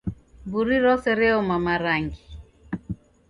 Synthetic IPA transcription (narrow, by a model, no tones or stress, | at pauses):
buɾiɾɔsɛɾɛɔmamaɾaŋɡi